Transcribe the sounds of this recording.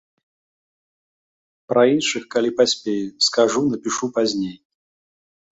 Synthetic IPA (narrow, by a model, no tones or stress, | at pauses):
pɾɐinʲʂɨxkɐlʲipɐsʲpʲejskɐʐunəpʲɪʂupɐzʲnʲej